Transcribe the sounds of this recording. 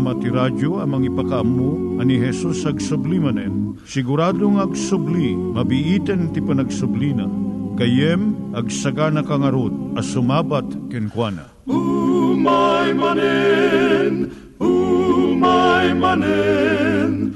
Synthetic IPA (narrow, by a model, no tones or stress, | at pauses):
mat̪iɾad͡ʒoɐmɐŋipɐkɐɐmːuɐniɦɛsusɐɡsʊblimɐnɛn | sɪɡʊɾaːd̪oŋɐɡsʊblimɐbɪʔit̪ɛnt̪ɪpɐnɐɡsʊblina̰kɐjɛmɐɡsɐɡanɐkɐŋɐɾod̪̚ɐsʊmaːbat̪kɛnkwanɐ̰ | umajmanɛ | n | umajmanɛ | n